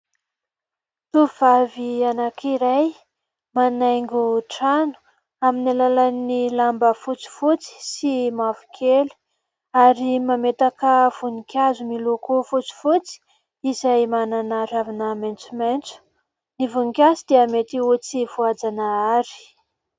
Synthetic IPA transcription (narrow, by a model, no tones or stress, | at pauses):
t̪uv̥avianakʰiɾaj | manajŋɡuʈ͡ʂanu̥ | aminilalanilambəfut͡si̥fut͡si̥simavu̥kʰeli̥ | aɾimamet̪akəv̥unikʲazumilukufut͡si̥fut͡si̥ | izajmananaɾavinament͡sument͡su̥ | nivunikʲasid̪eəmet̪iut͡sivuad͡zanaaɾi̥